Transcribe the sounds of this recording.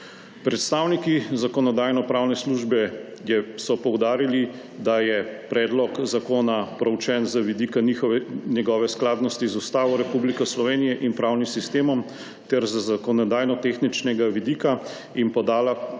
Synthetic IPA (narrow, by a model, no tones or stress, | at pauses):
pɾɛt̪st̪aːwnikizakɔnɔd̪aːjnɔpɾaːwnɛsluʒbɛ | jɛsɔpɔwd̪aːɾili | d̪ajɛpɾɛːd̪lɔkzakoːnapɾɛwt͡ʃɛːnzaʋid̪ikanixɔɛnjɛɡɔːʋɛsklaːd̪nɔst̪izust̪aːʋɔɾɛpublikɔslɔʋeːnijɛʔinpɾawnimsist̪eːmɔm | t̪ɛɾzzakɔnɔd̪aːjnɔt̪exnit͡ʃnɛɡaʋid̪iːka | inpɔd̪aːla